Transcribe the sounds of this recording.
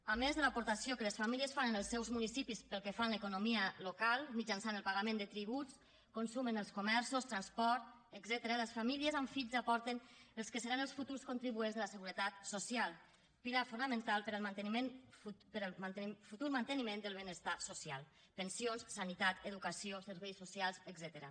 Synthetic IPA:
amezðəlapuɾt̪asjokələsfamiliəsfanənəlˠsːɛwzmunisipispəlˠkɛfanləkunomiəlokalˠmid͡ʒansanəlˠpaɣamend̪ət̪ɾiβ̞ut͡s | konsumənəlˠskumɛɾsust̪ɾanspɔɾt̪ | əɡzɛt̪əɾələsfamiliəzaɱfiʎzapɔɾt̪enəlˠskəsəɾanəlˠsfut̪uɾskunt̪ɾiβuenzðələsəɣ̞uɾət̪at̪sosialˠ | piɾafunəmə̃nt̪alˠpəɾəlˠmant̪ənimenupəɾəmafut̪uɾmant̪ənimẽnd̪əlˠβ̞enəst̪asosialˠ | pənsionssanit̪at̪əðukəsiosəɾβɛjsːusialˠzəɡzɛt̪əɾə

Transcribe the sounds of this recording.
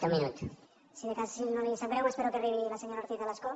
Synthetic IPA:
t̪emĩnut̪ | siðekasinonisampɾewespeɾokeriβilaseɲoɾaɾt̪iθelasko

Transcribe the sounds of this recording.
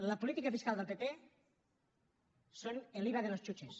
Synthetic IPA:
ləpulit̪ikəfiskalˠd̪elˠpepe | soneliβaðelost͡ʃut͡ʃes

